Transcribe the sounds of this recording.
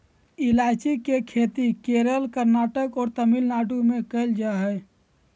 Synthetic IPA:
ilat͡ʃikekʰet̪ikeɾəlkəɾnaːʈəkɔːɾt̪əmilnaːʈumẽkəɪld͡ʒaɦɛ

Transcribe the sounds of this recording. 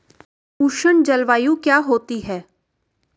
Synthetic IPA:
uːʃəɳd͡ʒɐlʋaːjũkjaːɦoːt̪iɦɛː

